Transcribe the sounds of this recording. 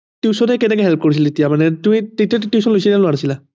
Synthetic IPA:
tusɔnɛkɛnɛkɛɦɛlp̚koɹis̬iletijamanɛtumĩtetiattjusɔnlojsinɛloanasila

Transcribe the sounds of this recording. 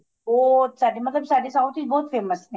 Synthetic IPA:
bɔːt̪saːɖemɐt̪ləbsaːɖesaʊt̪ʰid͡ʒbɔːt̪feːməsɦɛ̃

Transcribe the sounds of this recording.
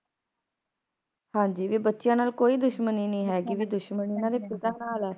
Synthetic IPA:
hãːd͡ʒiːʋiːbətːʃɪjãːnaːlkoːiːd̪ʊʃməniːnĩːɦɛːkiʋiːd̪ʊʃməniːnãːɾeːpɪt̪ãːnaːlɛː

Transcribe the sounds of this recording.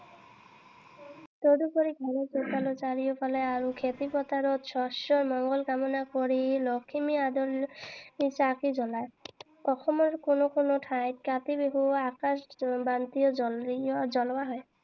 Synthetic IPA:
t̪od̪ukɔɾiɡʱalɔtɔt̪alɔt͡ʃaɹijɔpʰalɛaɹukʰet̪ipɔt̪aɾɔt̪sʰɔsɔɹmɔŋɡɔlkamɔnakɔɹilɔkʰimiad̪ɔlisakizɔlaj | ɔxɔmɔɹkonokɔnɔʈʰajt̚kat̪ibeɦuakasbant̪ijɔɔzɔlwaɦɔj

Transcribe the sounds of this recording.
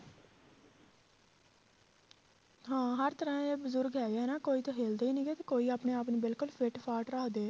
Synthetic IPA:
ɦãːɦəɾt̪əɾãːeːbəzʊɾɡɛːaːɦɛːnaːkoːiːt̪õːɦeːld̪eːiːnĩːɡeːt̪eːkoːiːaːpneːaːpnẽːbɪlkʊlpʰeʈpʰaːʈɾaːd̪eː

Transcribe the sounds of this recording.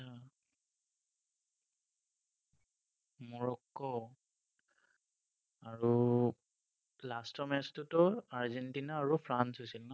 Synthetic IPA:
a | mɔɹɔkːɔ | aɹu | lastɔmɛstutɔaɹzɛntinaːɹupʰɹansɦojsilnɔ

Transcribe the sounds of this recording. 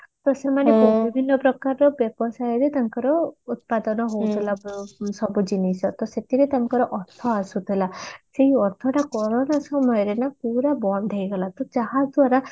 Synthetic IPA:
t̪ɔsemanebobʱibʱinːɔpɾɔkaɾɔbjebɔsajɔɾet̪aŋkɔɾɔut̪̚pad̪ɔnɔɦowt̪ʰilasɔbud͡ʒinisɔt̪ɔset̪iɾet̪aŋkɔɾɔʔɔɾt̪ʰɔasut̪ʰilaseiɔɾt̪ʰɔʈakɔɾɔnasɔmɔjɔɾenapuɾabɔnd̪ʱejɡɔlat̪ɔd͡ʒaɦad͡ʒd̪uaɾa

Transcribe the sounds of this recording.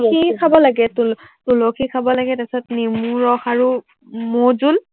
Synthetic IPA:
ikʰabɔlaɡɛtultulɔkʰikʰabɔlaɡɛtasɔtnimuɹɔxaɹu | mozul

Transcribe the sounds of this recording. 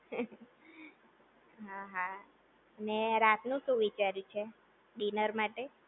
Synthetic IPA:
ɦaɦa | əneɾat̪ʰnũʃũʋit͡ʃaɾjũt͡ʃʰe | ɖinəɾmaʈe

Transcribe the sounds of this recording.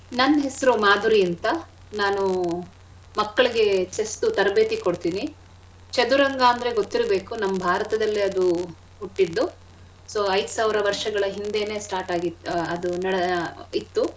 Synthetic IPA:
nɐnːɦesɐɾumaːd̪uɾiɐnt̪ɐ | naːnu | mɐkːɐɭiɡe̞t͡ʃesʈ̪ut̪ɐɾɐbet̪iko̞ɽt̪iːni | t͡ʃɐd̪uɾɐŋɡaːɐnd̪ɐɾe̞ɡo̞t̪ːiɾɐbe̞ːkunɐmːbʱaːɾɐt̪ɐd̪ɐlːiɐd̪u | uʈːid̪ːu | soːɐjd̪usaːʋiɾɐʋɐɾʂɐɡɐɭɐɦind̪e̞ːne̞ːsʈaːɾʈaːɡiɐd̪unɐɽit̪ːu

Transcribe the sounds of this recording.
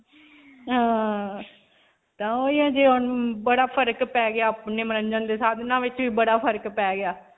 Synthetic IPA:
ɦãː | t̪ãːoːiːãːd͡ʒeːɦʊnbəɽaːpʰəɾkpɛːɡɪaːpneːməɾəɲd͡ʒənd̪eːsaːd̪nãːʋɪt͡ʃʋiːbəɽaːpʰəɾkpɛːɡɪjaː

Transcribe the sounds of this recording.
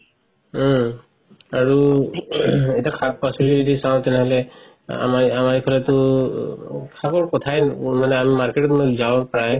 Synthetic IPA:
aɹu | ɛtiakʰak̚pasilizɔdisaw̃tɛnɛɦɔlɛ | a̰maamaɹikʰɔlɛtʊ | kʰakɔɹkɔtʰajmanɛamimaɹketɔtmojzaw̃pɹaj

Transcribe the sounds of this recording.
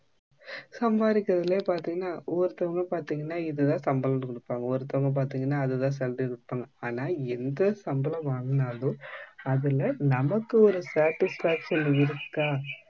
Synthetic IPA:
sɐmbaːɾɪkːɪɾɐðɪleːpaːɾt̪iːŋɡɐnːaːʔɔɾɯt̪ːɐʋɐŋɡɐpaːɾt̪iːŋɡɐnːaːɪðɯt̪ãːsɐmbɐlɐnːɯkɔɽɯpːaːŋɡɐɔɾɯt̪ːɐʋɐŋɡɐp̬aːɾt̪iːŋɡɐnːaːðɯt̪ãːs̬ɛlʈɪkɔɽɯpːaːŋɡɐaːnaːɛnd̪ɐsɐmbɐlɐmaːnɐnaːlõːɐðɯlɐnɐmɐkːɯɔɾɯsaːʈɪsfaːkʂɐnɪɾɯkːaː

